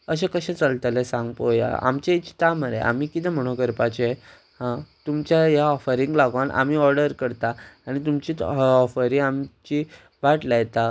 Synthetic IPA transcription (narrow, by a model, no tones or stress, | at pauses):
əɕẽkəɕẽt͡salt̪alesãŋɡpoja̰a̰mt͡ɕait͡ɕi̥t̪aməɾḛa̰miːkit̪ʰɛ̃m̤əɽ̃okəɾpat͡ɕe | hãt̪umt͡ɕjajaɔfəɾiŋɡlaɡʋanʔa̰m̤iɔɾɖəɾkəɾt̪aaɽ̃it̪umt͡ɕiːɔfəɾiamt͡ɕi | ʋaʈlajt̪a